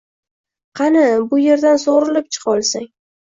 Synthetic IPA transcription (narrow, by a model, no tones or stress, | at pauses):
qʰɑnɪbʊje̞ɾd̪ansoʁɾɪlɪpt͡ʃʰɨ̥qʰɒlˠsaŋ